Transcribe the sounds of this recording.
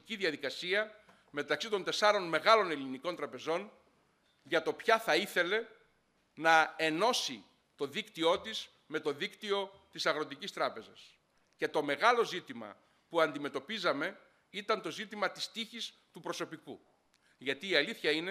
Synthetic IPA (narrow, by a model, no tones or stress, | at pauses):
ciðjɐðikɐsiɐ | me̞t̪ɐksit̪o̞nt̪e̞sɐɾo̞nme̞ɣɐlo̞ne̞liniko̞nt̪ɾɐpe̞zo̞n | ʝɐt̪o̞pçɐθɐiθe̞le̞ | nɐe̞no̞si | t̪o̞ðikt̪io̞t̪iz | me̞t̪o̞ðikt̪io̞ | t̪isɐɣɾo̞t̪icist̪ɾɐpe̞zɐs | ce̞t̪o̞me̞ɣɐlo̞zit̪imɐ̰ | puɐnd̪ime̞t̪o̞pizɐme̞ | it̪ɐnt̪o̞zit̪imɐt̪i̥st̪içis | t̪upɾo̞so̞piku | ʝɐt̪iːɐliθçɐine